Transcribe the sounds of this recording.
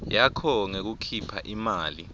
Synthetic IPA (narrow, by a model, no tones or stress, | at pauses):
jakʰɔŋek̬ukʰipʰa̰ʔimaːli